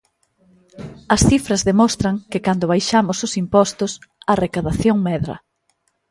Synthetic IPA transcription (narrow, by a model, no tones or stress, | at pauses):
ɐsθifɾɐzðemɔst̪ɾɐŋkɪkand̪ʊβ̞ajʃamʊsʊsimpɔst̪ʊsɐrekaðaθjoŋmɛðɾɐ̰